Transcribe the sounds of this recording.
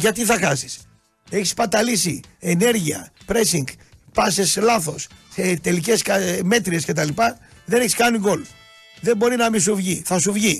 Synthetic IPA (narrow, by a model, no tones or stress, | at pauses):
ʝɐt̪iθɐxɐsi̥s | e̞çi̥spɐt̪ɐlisiene̞ɾʝiɐ̰pɾe̞siŋɡ | pɐseslɐθo̞sset̪e̞lice̞skɐme̞t̪ɾie̞sce̞t̪ɐlipɐ | ðeneçiskɐniɡo̞l | ðe̞mbo̞ɾinɐmisuvʝiθɐsuvʝi